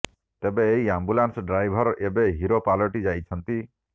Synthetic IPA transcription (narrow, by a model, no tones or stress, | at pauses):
t̪ebeːɦiambulansɖɾajbʱɔɾebeɦiɾopalɔʈid͡ʒajt͡ʃʰɔnt̪i